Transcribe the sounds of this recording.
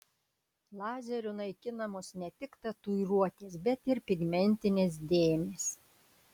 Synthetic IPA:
lˠɑːzʲɛɾʲʊnɐɪkʲɪnɐmoːsnʲɛt̪ʲɪkt̪ɐt̪uɪɾuɔt̪ʲeːsbʲɛt̪ɪɾpʲɪɡmʲɛnʲt̪ʲɪnʲeːs̬d̪ʲeːmʲeːs

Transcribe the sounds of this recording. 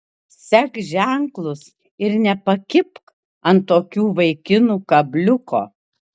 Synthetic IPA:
sʲɛkʒʲæŋklˠʊs | ɪɾnʲɛpɐkʲɪpk | ɐnt̪t̪oːkʲuːʋɐɪkʲɪnuːkɐbʲlʲʊkʰoː

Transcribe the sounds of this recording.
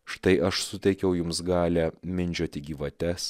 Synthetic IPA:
ʃt̪ɐɪʔɐʃsʊt̪ʲɛɪkʲɛʊjʊmsɡɑːlʲæmʲɪnʲd͡ʒʲoːt̪ʲɪɡʲiːʋɐt̪ʲɛs

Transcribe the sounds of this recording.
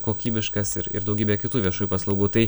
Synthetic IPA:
koːkʲiːbʲɪʃkɐsɪ̰ɾɪ̰ɾd̪ɐʊɡʲiːbʲekʲɪt̪uːʋʲiɛʃuːjuːpɐslˠɐʊɡuːt̪ɐɪ

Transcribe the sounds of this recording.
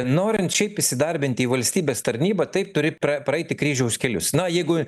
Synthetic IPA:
noːɾʲɪnt̪ʃʲɛɪpɪsʲɪd̪ɐɾʲbʲɪnt̪ʲɪiːʋɐlʲsʲt̪ʲiːbʲeːst̪ɐɾʲnʲiːbɐt̪ɐɪp̚t̪ʊɾʲɪrɐpɾɐɛɪt̪ʲɪkɾʲiːʒʲɛʊsʲkʲɛlʲʊ̰snɐjɛɪɡʊ

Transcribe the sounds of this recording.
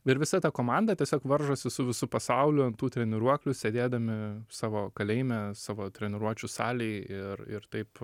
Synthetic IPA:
ɪɾʋʲɪsɐt̪ɑkoːmɑnd̪ɐt̪ʲiɛsʲoːkʋɐɾʒoːsʲɪsʊʋʲɪsʊpɐsɐʊlʲʊɐnt̪uːt̪ʲɾʲɛnʲɪɾuɔklʲʊsʲed̪ʲeːd̪ɐmʲɪsɑːʋoːkɐlʲɛɪmʲɛsɑːʋoːt̪ʲɾʲɛnʲɪɾuɔt͡ʃʲʊsɑ̰ːlʲɛɪɪrɪ̰ɾt̪ɐɪp

